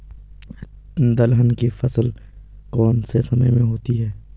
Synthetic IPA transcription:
d̪ɐlɦənkifɐsl | kɔːnsesɐməjmẽɦoːt̪iɦɛː

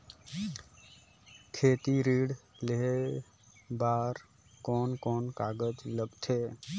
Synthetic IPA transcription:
kʰeːt̪iɾiːɽ | leɦe | baːɾ | kɔːnkɔːnkaːɡəd͡ʒləɡt̪ʰeː

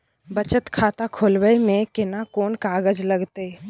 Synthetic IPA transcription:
bət͡ʃət̪kʰaːt̪akʰoːlwəemẽkɪnakoːnkaːɡəd͡ʒləɡt̪eː

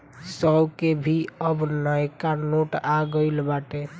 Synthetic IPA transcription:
səkebʱiəbnəjkanoʈaɡəɪlbaʈe

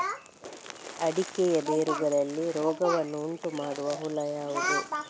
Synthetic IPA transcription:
ɐɽikɛjɐd̪eːɾuɡɐɾɐlːiɾɔːɡɐʋɐnːuːɳʈumaːɽuʋɐɦulɐjaːʋud̪u

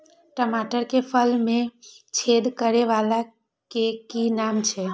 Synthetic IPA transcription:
ʈəmaʈəɾkepʰəlmẽt͡ʃʰed̪kəɾeʋala | kekinamt͡ʃʰɛ

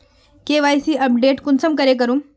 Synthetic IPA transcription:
keʋajsiːʔəp̚ɖeʈkunsəmkəɾek̬əɾũm

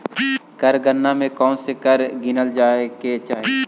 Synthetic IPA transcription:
kɐɾɡənːamẽkɔːnsekɐɾɡɪnəld͡ʒaːket͡ʃaːɦe

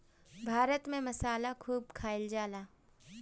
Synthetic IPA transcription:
bʱaːɾət̪mẽmɐsaːlakʰuːb̚kʰaːɪld͡ʒaːlaː

